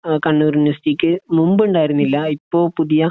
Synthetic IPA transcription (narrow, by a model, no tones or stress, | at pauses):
kɐɳːuːrnɐsʈikʲːɨmumbuɳɖaːjiɾunːilːɐipːo̞ːpuðijɐ